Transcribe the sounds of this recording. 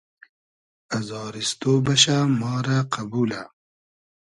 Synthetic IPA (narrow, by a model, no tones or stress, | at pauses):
azɑːɾist̪oːbɐɕamɑːɾaqʰabuːla